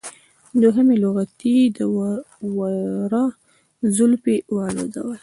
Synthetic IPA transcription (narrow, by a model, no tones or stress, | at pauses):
d̪oɦəmelʊɣat̪id̪ə | waɾɑ | zʊlpewalo̰d̪a̰wəl